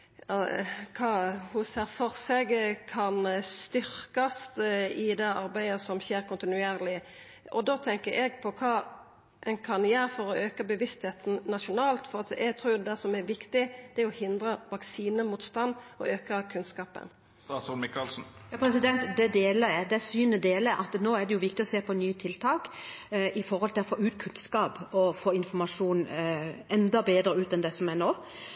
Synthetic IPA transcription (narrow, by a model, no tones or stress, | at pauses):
ɑkʰɑːhʊseɾfɔɾsɛɡkʰɑnst̪ʏɾkɑst̪ɪd̪ɛɑ̰ɾbæɪəsɔmçeːɾkʰʊnt̪ɪnʉeːɾlɪ | ʔɔd̪oːt̪ʰɛŋkəɾʔɛɡpʰɔkʰɑː | ʔɛnkʰɑnjæːɾfɔɾɔʔøːkəbəʋɪst̪heːt̪n̩nɑʃʊnɑːlt̪fɔɾɑt̪ɛɡ̚t̪ʰɾuːɾjʊd̪ɛd̪æsɔmæɾʋɪkt̪ɪd̪̥ɛæɾɔhɪnd̪ɾəʋɑksiːnəmuːt̪st̪ɑnd̪ɔ̰ʔøːkəkʰʉnskɑːpə̰n | t̪ɑːsʊnmɪkɑlsn̩jɑːpʰɾɛs̬ɪd̪ɛnt̪d̪ɛd̪eːləɾjæd̪ɛsyːnəd̪eːləʔɑt̪noːæɖɛjʊʋɪk̚t̪ɪɔseːpɔnyːət̪ʰɪlt̪ʰɑːkʔɪfɔɾhɔlt̪ʰɪlɔfoːʉːt̪kʰʉnskɑːpɔfoːɪnfɔmɑʂuːnɛnd̪ɑbeːd̪ɾəʉːt̪ɛnd̪ɛsɔmɛnoː